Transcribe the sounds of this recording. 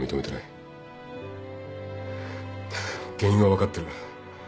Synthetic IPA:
mʲit̪o̞me̞t̪ena̰i | ɡ̥ẽĩŋɡaβakat̪ːe̞ɾɯ

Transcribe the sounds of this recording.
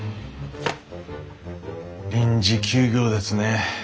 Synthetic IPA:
ɾʲĩɲd͡ʑikʲʰɨːɡʲo̞ːd̪e̞sɨne̞

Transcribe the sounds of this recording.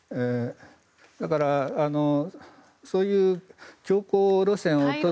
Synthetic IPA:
e | d̪akaɾaano | so̞ːjɯ̟ːkʲo̞ːkoːɾosẽɰ̃ot͡ɕo

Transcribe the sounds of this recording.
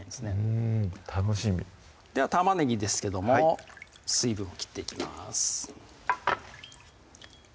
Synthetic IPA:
ĩnd̪esɨne̞t̪ʰanoɕimʲḭ | d̪̥e̞βat̪amaneɡʲid̪e̞sɨ̥ke̞d̪o̞mo | sɨibɯ̟̃ɰ̃okʲi̥t̪ːe̞ikʲima̰sɨ̥

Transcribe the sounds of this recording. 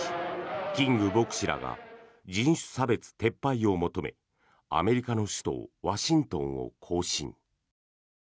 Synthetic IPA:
kʲĩŋɡɯ̟bo̞kɯ̟̥ɕiɾa̰ɡa̰ | d͡ʑĩɰ̃ɕɨ̥sabe̞t͡sɨ̥t̪e̞pːaio̞mo̞t̪o̞me̞̰ | a̰me̞ɾʲikano̞ɕi̥t̪o̞̰ːβaɕĩnt̪õ̞ɰ̃o̞̰kʰo̞ːɕḭ̃ɴ

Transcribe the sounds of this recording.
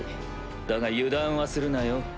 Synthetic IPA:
d̪aɡajɯd̪ãɰ̃βasɨɾɯnajo

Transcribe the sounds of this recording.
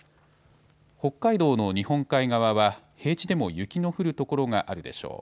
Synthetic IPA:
ho̞kːaid̪o̞ːno̞ɲ̟ihõ̞ŋkaiɡaβaβa | he̞ːt͡ɕid̪e̞mo̞jɯ̟kʲino̞ɸɯ̟ɾɯ̟t̪o̞ko̞ɾo̞ŋaʔaɾɯ̟d̪e̞̰ɕo̞̰ː

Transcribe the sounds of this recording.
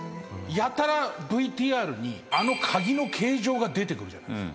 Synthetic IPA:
jat̪aɾabɯ̟it̪iːaːɾɯ̟ɲ̟iano̞kʰaɡʲino̞kʰe̞ːʑo̞ːɡad̪e̞t̪e̞kɯ̟ɾɯ̟d͡ʑa̰na̰

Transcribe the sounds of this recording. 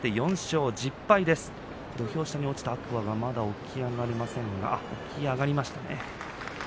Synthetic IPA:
t̪e̞jõ̞ɰ̃ɕo̞ːd͡ʑipːaid̪e̞sɨ̥ | d̪̥o̞çʲo̞ːɕi̥t̪aɲ̟io̞t͡ɕi̥t̪aːkɯ̟βaɡamad̪ao̞kʲiaɡaɾʲimasẽ̞ŋɡa̰o̞̰kʲiaɡaɾʲimaɕi̥t̪ane̞̰

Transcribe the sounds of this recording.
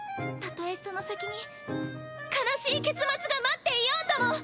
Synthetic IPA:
t̪at̪o̞e̞sono̞sakʲiɲ̟i | kanaɕiːke̞t͡sɨmat͡sɨɡamat̪ːe̞ijo̞ːt̪o̞mo̞

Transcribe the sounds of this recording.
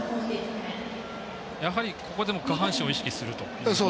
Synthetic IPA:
kõŋket̪a | jaɦaɾʲikʰo̞ko̞d̪e̞mo̞kaɦãɰ̃ɕio̞iɕi̥kʲisɨɾɯ̟t̪o̞ | so

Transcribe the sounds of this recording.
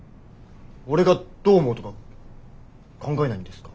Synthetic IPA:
oɾe̞ɡat̪͈omot̪oɡa | kʰʌŋɡaenaɲind̪e̞sɨ̥kḁ

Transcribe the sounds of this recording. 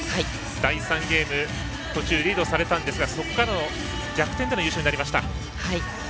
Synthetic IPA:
hai | d̪̥aisãŋɡe̞ːmɯ̟ | t̪o̞t͡ɕɨːɾʲiːd̪o̞saɾe̞t̪ãnd̪e̞sɨɡaso̞kkːaɾano̞ | ɡʲakɯ̟t̪end̪e̞njɯːɕoɲinaɾʲimaɕi̥t̪a̰ | hai

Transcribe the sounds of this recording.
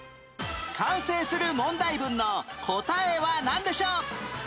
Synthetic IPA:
kʰãɰ̃se̞ːsɨɾɯ̟mõ̞nd̪aibɯ̟̃nːo̞kʰo̞t̪aeβanãnd̪e̞ɕoː

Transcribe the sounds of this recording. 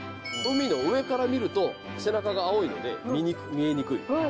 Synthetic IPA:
t̪o̞mʲino̞ɯe̞kaɾamʲiɾɯ̟t̪o̞ | se̞nakaɡaːo̞ino̞̰d̪e̞̰iikmʲieɲ̟ikɯ̟ḭ

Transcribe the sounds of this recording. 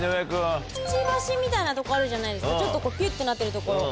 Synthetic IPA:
ojakɯ̟at͡ɕiːbaɕĩmːʲit̪ainat̪o̞koaɾɯ̟ʑanaid̪e̞sɨkkt͡ɕo̞t̪ːo̞ko̞ːpʲɯt̪ːɯnat̪ːe̞ɾɯ̟t̪o̞ko̞ɾo̞

